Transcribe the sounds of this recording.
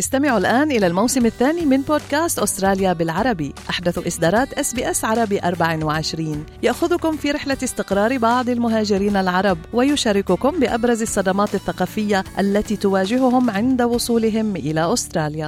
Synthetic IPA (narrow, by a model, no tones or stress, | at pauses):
ʔɪst̪amɪʕʊlʔaːnʔɪlalmawsɪmaθːaːnimɪnboːd̪̚kaːst̪ʔʊst̪ɾˤɑːljabɪlʕɑɾˤɑbiʔaħd̪aθʔɪsd̪ɑːɾˤɑːt̪ʔasbiːʔasʕɑɾˤɑbiʔɑɾˤbaʕɪwɪʕɪʃɾiːnjaʔxʊðʊkʊmfiːɾɪħlaɪst̪ɪqɾˤɑːɾbɑʕd̪ˤɪlmʊɦaːd͡ʒɪɾiːnalʕɑɾˤɑbwajʊʃaːɾɪkʊkʊmbɪʔabɾˤɑzɑsˤːɑd̪ɑmɑːt̪aθːaqɑːfɪjːaʔalːat̪iːt̪ʊwaːd͡ʒɪɦʊhʊmʕɪnd̪awʊsˤuːlɪɦɪmʔɪlaʔʊst̪ɾˤɑːlja